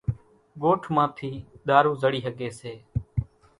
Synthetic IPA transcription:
ɡoːʈʰmãːt̪ʰiːɗ̪aːɾũːzəɽiːɦəɠeːseː

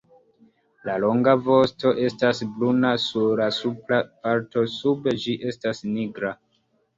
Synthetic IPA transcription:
lalo̞ŋɡavo̞sto̞ʔe̞stasblunasulasuplapaɾto̞sube̞d͡ʒiʔe̞stasniɡɾa

